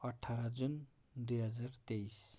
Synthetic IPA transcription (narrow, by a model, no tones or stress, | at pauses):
ʌʈʰːaɾad͡zun | d̪ujɦʌd͡zart̪ejs